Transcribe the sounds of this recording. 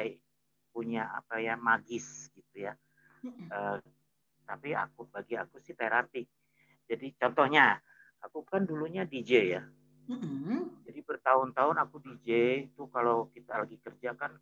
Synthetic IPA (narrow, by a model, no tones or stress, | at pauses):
ai | puɲaa̰pajamaɡɪsɡ̥it̪uja | ə | t̪apia̰kubaɡia̰kusɪht̪aɾap̪ɪk̚ | d͡ʒadit͡ʃɔnt̪ɔhɲa | akukanduluɲadid͡ʒeja | d͡ʒadibərt̪aʊnt̪aʊnakudid͡ʒet̪ukalowkit̪alaɡikərd͡ʒakan